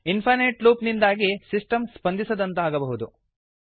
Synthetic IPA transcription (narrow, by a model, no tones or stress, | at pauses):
inpʰɐneːʈluːpnind̪aːɡisisʈɐmspɐnd̪isɐd̪ɐnt̪ɐaːɡɐbɐɦud̪u